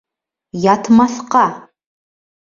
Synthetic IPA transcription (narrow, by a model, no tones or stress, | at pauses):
jatʰmɐɬqa